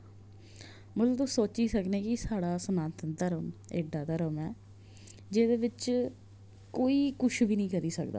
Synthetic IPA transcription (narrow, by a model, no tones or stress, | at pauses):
mət̪ləbt̪ʊsoːt͡ʃiːsəknẽːkɪsaːɽaːsənaːt̪ənd̪əɾəmḛːɖaːd̪əɾəmɛː | d͡ʒeːd̪eːʋɪt͡ʃ | koːiːkʊʃʰbiːnĩːkəɾiːsəkd̪a̰ː